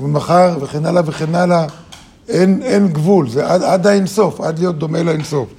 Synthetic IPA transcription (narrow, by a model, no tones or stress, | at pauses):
vemaχaʁveχenalaveχenala | enenɡvulzeʔadad̪aenso̞fad̪lijo̞t̚d̪o̞melaenso̞f